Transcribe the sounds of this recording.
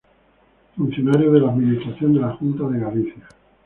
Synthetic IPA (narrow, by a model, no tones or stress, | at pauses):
fun̟θjo̞naɾjoðe̞laðminist̪ɾaθjo̞nd̪e̞laxunt̪aðeɣaliθja